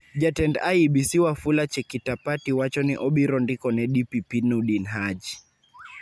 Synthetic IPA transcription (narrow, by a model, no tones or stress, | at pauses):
d͡ʒatɛndaiɓisiwafulat͡ʃɛkitapatiwat͡ʃɔniʔɔɓiɾɔndikɔnɛɗipipinuɗinɦad͡ʒi